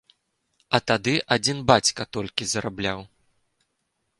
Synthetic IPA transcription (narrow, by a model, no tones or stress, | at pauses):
ɐt̪ad̪ɨʔad͡zʲinbat͡sʲkɐt̪ɔlʲkʲizɐɾablʲaw